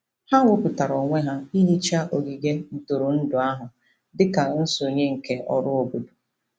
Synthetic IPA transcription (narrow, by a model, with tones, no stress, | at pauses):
ha˦ŋʷʊ˦pʊ˨ta˨ɾɔ˨ŋʷe˦ɦa˦i˦ɦi˦t͡ʃa˦ʔo˨ɡi˨ɡe˦n̩˨tʊ˨ɾʊ˨n̩˦dʊ˨a˦ɦʊ˨ | dɪ˦ka˨n̩˦so˨ɲe˦ŋ̩˨ke˨˦ʔɔ̰˨ɾʊ˦o˨bo˨du˨